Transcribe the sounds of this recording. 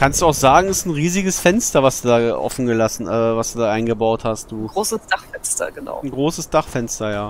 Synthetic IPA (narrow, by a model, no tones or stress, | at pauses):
kʰanstd̥uːaʊxz̥aːɡŋ̩ɛsn̩ʁiːzɪɡəsfɛnstɐvasd̥uːdaːʔɔ̰fn̩ɡəlasn̩ʔɛːvasd̥uːdaːʔaɪnɡəbaʊthast̚d̥uːɡʁoːsəd̥aχfɛnstɐ̰ɡəna̰ʊn̩ɡʁoːsəsd̥aχfɛnstɐjaː